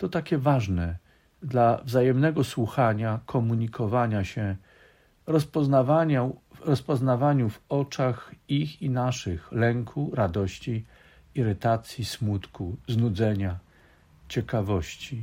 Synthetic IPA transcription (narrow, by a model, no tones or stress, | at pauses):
t̪ɔt̪akʲɛvaʐnɛ | d̪lavzajɛmnɛɡɔswuxaɲakʰɔmuɲikʰɔvaɲaɕɛ | ɾɔspɔznavaɲaɾɔspɔznavaɲuvɔt͡ʂaxixinaʂɘxlɛŋkʰuɾad̪ɔɕt͡ɕi | iɾɘt̪at̪sʲjismut̪kuznud̪zɛɲa | t͡ɕɛkavɔɕt͡ɕi